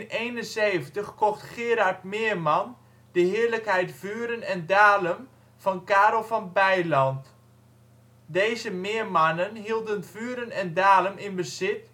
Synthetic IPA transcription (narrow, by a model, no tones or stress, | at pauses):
nejnənseːvəntəxkɔxtxɪːɾaɹtmɪːrman | d̥əɦɪːərləkhɛjtfyːəɾənɛndaːləm | fɔnkaːɾolˠfɔnbɛjlɔnt | dejzəmɪːrmanənɦiəlˠdənv̥yːəɾənɛndaːləmɪnbəzɪt̚